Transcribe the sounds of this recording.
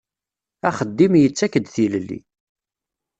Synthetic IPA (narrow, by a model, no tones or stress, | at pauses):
æχəd̪ːimjət͡sːækːəd̪θiləlːḭ